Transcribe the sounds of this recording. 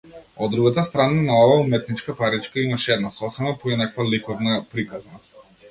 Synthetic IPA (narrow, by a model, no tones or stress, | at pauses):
ɔd̪ːɾuɡat̪ast̪ɾananaɔvaumɛt̪nit͡ʃkapaɾit͡ʃkaimaʃɛɛd̪nasɔsɛmapɔinakvalikɔvnapɾikazana